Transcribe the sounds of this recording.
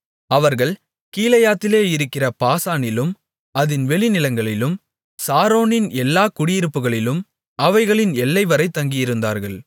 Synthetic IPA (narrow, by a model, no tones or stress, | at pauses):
ɐʋɐɾɣɐɭ | kiːlɐjaːt̪ːɪleːɪɾɯkːɪrɐpaːsaːnɪlɯm | ɐðɪnʋɛɭɪnɪlɐŋɡɐɭɪlɯm | saːɾoːnɪnɛlːaːkʊɽɪjɪɾɯpːɯɣɐɭɪlɯm | ɐʋɐɪɣɐɭɪnɛlːɐɪʋɐɾɐɪt̪ːɐŋɡɪjɪɾɯnd̪a̰ːɾɣɐɭ